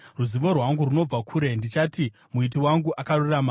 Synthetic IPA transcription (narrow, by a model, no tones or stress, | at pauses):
ruziʋorwaŋɡuruno̞b͡vakʰuɾe̞ndit͡ʃaːti | muit̬iwaŋɡuʔakaruriramaː